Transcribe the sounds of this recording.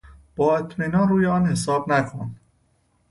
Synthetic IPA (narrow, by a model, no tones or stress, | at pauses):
b̥ɒːet̪ʰmiːnɒnruːjeɒːnhe̞sɒːbnækʰon